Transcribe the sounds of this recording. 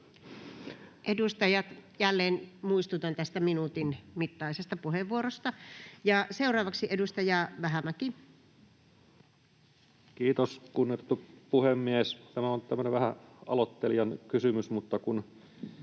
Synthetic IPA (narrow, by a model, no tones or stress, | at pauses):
ʔedust̪ɑjɑt̪jælːeːnmuist̪ut̪ont̪æst̪æminut̪inmit̪ːɑˑisest̪ɑpuheʋːuorost̪ɑjɑseurɑːʋɑksiʔedust̪ɑjɑʋæɦæmæki | kiːt̪oskunːˑit̪et̪ːupuhemːiest̪æmæont̪æmːøneʋæhæɑ̰lot̪ːeljɑnkysymysmut̪ːɑkun